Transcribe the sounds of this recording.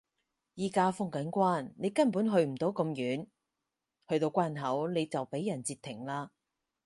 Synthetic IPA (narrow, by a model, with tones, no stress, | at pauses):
jiː˨˩kaː˧fʊ˥ŋkɐ˨˥nkʷaː˥˩nne˨˧jkɐ˥npu˨˥nɦɵ˧ɥm̩˨˩t̪o˨˥wkɐ˧mjyː˨˥n | hɵ˧ɥt̪o˧wkʷaː˥nɦɐ˨˥wne˨˧jt͡sɐ˨wpe˨˥jːɐ˨˩nt͡siː˧t̪ʰːɪ˨˩ŋlaː˧